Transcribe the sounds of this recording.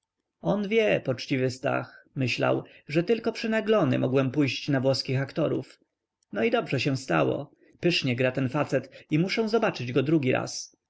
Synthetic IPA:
ɔnvʲjɛpɔt͡ʂt͡ɕivɘst̪a̰xmɘɕla̰wʐɛt̪ɘlkɔpʂɘnaɡlɔnɘ̰mɔɡwɛmpujɕt͡ɕnavwɔskʲixakt̪ɔɾṵf | nɔid̪ɔbʐɛɕɛ̃st̪a̰wɔ̰ | pɘʂɲɛɡɾat̪ɛnfat̪sɛt̪imuʂɛ̃w̃zɔbat͡ʂɘd͡ʑɡɔd̪ɾuɡʲiɾa̰s

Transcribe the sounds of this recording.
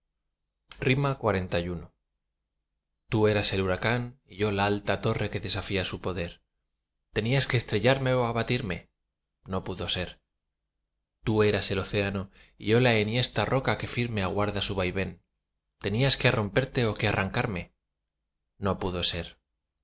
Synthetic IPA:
rimakwaɾe̞nt̪ajuno | t̪ue̞ɾase̞luɾakaniʝo̞laalt̪at̪o̞re̞ke̞ðe̞safiasupo̞ðe̞ɾ | t̪e̞niaske̞ːst̪ɾe̞ʎaɾme̞oaβat̪iɾme̞ | no̞puðo̞se̞ɾ | t̪ue̞ɾase̞lo̞θe̞ano̞iʝo̞laenje̞st̪aro̞kake̞fiɾme̞aɣwaɾðasuβ̞ajβe̞n | t̪e̞niaske̞aro̞mpe̞ɾt̪e̞o̞ke̞arʔaŋkaɾme̞ | no̞puðo̞se̞ɾ

